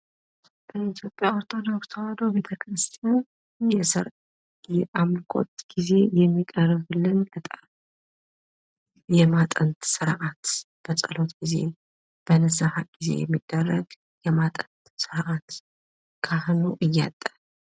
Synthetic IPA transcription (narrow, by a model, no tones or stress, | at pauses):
b̥əit̪ʰjo̞pʼjaoɾt̪ʰo̞d̪okst̪ʰawad̪obe̞t̪ʰəkʰɾɨst̪ʰijan | jɛsɨɾ | jɛʔamkʰʼo̞̰t̪ʼɡ̥ize̞jɛmːikʼəɾβɨlːɨnət̪ʼ | jɛmat̪ʼənt̪sɨɾʔat̪ | b̥əsʼəlo̞t̪ɡ̥ize̞̰ | b̥ənəzahaɡ̥ize̞̰jɛ̰mːid̪̥ːərːəɡ | jɛmat̪ʼənt̪sɨɾʔat̪ | kʰahnuʔɨjːa̰t̪ʼːa